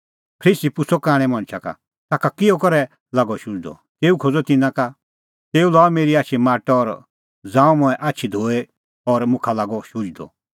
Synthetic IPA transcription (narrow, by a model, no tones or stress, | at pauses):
pʰɾiːsipʊsɔkaːɽ̃ɛ̃mɐ̃ñt͡ʃʰaka̰ | t̪aːkakɪɔkɔɾɛ | laːɡɔʃʊ̃d͡ʒd̪ɔ̰ | t̪eːukʰod͡zɔt̪ɪnãka | t̪eːulɔːmeːɾiaːt͡ʃʰimaːʈɔːɾ | d͡zãːũmʊ̃ɛ̃ʔaːtːʃʰid̪ʱoːe | ɔɾmʊ̃kʰalaːɡɔʃʊd͡ʒd̪ɔ̰